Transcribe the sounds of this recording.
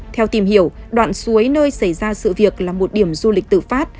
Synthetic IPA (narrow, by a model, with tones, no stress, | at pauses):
t̪ʰɛ˧wt̪i˨˩mhi˧˩əwɗwa̰ː˧˨nsu˨˦əjnəː˧jsa˧˩jzaː˧sɨ̰˧˨vi˨˩ək̚laː˨˩mo˨˩t̚ɗi˧˩əmzu˧li˨˩k̟̚t̪ɨ̰˧˨faː˦˥t̚